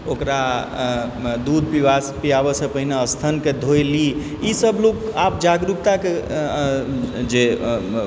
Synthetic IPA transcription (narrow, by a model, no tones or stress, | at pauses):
okɾa | d̪ud̪̚ʱpiʋaspijabəsəpəɦineəst̪ʰənked̪ʱojli | isəblokapd͡ʒaɡɾuk̚t̪ake | d͡ʒe